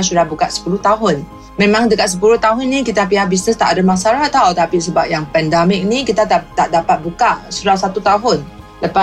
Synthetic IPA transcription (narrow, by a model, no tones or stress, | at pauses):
sudahbukaʔ̪sə̥puluht̪aɦʊn | mẽmãŋdəkat̪̚s̬əpulʊht̪aɦʊnːĩkit̪ap̬iahbisnəst̪aʔadamãsalaht̪awt̪apisəbap̚jaŋpɛndamɪk̚nĩkit̪at̪at̪aʔdapat̪̚bukaʔsudahsat̪ut̪aɦʊn | dəpa